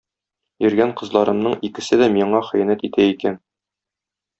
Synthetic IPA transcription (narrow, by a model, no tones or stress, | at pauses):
jɵ̆ɾɡæɴqɤ̆zlˠɑɾɤ̆mnɤɴikɘ̆sɘd̪æmiɴɑχɘ̆jænæt̪it̪æikæn